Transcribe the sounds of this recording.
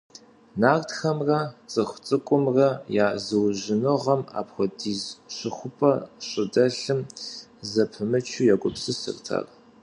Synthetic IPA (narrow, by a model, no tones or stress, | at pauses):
naːrtxɐmrɐt͡sʼɨxʷt͡sʼɨkʷʼʊmrɐjaːzɨwʑɪnɨʁɐma̰ːpxʷɔdiːzɕɪxʷʊpʰʼɐɕʼɪdɐɬɨmzɐpʰɨmɨt͡ʃʰujakʷʼʊpsɨsɨ̰rtʰa̰ːr